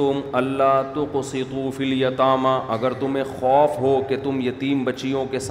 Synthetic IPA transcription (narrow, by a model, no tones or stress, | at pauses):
ʊmɐlːaɦt̪ʊqsɪt̪uːfiljɐt̪aːmaʔɐɡəɾt̪ʊmẽxɔːfɦoket̪ʊmjɐt̪iːmbɐt͡ʃijõkes